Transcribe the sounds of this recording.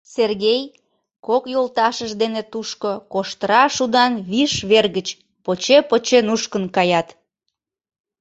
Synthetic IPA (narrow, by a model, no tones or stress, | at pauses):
serɣej | kokjolˠt̪ɑʃəʒd̪enet̪uʃkokoʃt̪əɾɑʃud̪ɑnβiʃβerɣət͡ɕ | pot͡ɕepot͡ɕenuʃkənkɑjɑt̪